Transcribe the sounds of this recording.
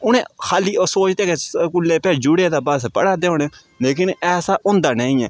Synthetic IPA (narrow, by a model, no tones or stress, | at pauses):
ʊnẽːxʰaːliːosoːt͡ʃt̪eːkekʊlːeːpɛːd͡ʒʊɽeːd̪aːbəspə̰ɽaːd̪eːoːneː | leːkɪnɛːsaːʔʊnd̪aːnɛ̃ːĩːɛː